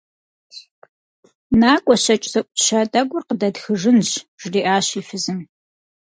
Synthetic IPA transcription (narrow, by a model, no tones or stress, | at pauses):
naːkʷʼɔɕɐt͡ʃʼzɐʔʷʼɕɐtʼɐɡʷʊrqədɐdxɨʐɨnɕʒ̥riːʔaːɕiːfɨzɨm